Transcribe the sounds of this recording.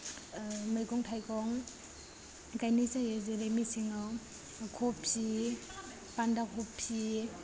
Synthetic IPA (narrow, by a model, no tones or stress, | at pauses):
mɯjɡɔŋtʰajkʰɔŋ | ɡajnisajɯzeɾemisiŋɯ | kʰɔpʰi | pandakhɔpʰi